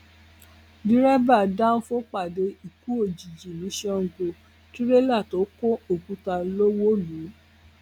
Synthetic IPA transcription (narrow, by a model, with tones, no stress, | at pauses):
dĩ˨˦ɾɛ˦ba˦˨da˦o˦fo˦k͡pa˨de˨˧˦i˨ku˨˦o˦˨d͡ʒi˨d͡ʒi˨nĩ˨˦ʃɛ˦˨ɡo˧ | ti˦ɾe˦la˦˨to˨˦ko˦o˦˨kũ˨˦ta˧lo˦wo˦lu˨˦